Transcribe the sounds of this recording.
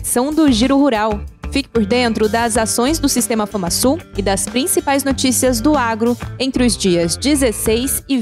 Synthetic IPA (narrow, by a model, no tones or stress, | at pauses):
sɐ̃w̃d̪ʊʒiɾʊhuɾawfikɪ̥poɾd̪ẽnt̪ɾʊd̪ɐzasõj̃zd̪ʊsist̪ẽmɐfɐ̃masuɪd̪ɐspɾĩsipajznot͡ʃisiɐzd̪ʊaɡɾʊẽnt̪ɾɪʊzd͡ʒiɐzd͡ʒizesejzɪ